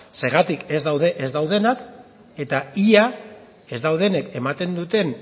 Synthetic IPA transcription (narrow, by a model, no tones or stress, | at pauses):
se̞ɾɣat̪ike̞zd̪awðe̞ʔezd̪awð̞e̞nak | e̞t̪aia | e̞zd̪awð̞e̞ne̞ke̞mat̪e̞nd̪ut̪e̞n